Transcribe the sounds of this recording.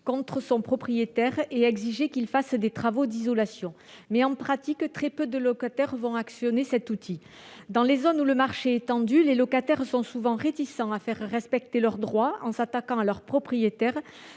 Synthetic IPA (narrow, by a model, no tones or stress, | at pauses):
kɔ̃t̪χəsɔ̃pχɔpχijet̪ɛʁeɛɡziʒekilfasd̪et̪χavod̪izɔlasjɔ̃ | mɛɑ̃pχat̪ikt̪χɛpød̪əlɔkat̪ɛʁvɔ̃aksjɔnesɛt̪ut̪ʰi | d̪ɑ̃lezɔnuləmaʁʃeɛt̪ɑ̃d̪ylelɔkat̪ɛʁsɔ̃suvɑ̃ʁet̪isɑ̃afɛʁːɛspɛk̚t̪elœʁd̪ʁwaɑ̃sat̪akɑ̃alœʁpχɔpχijet̪ɛʁ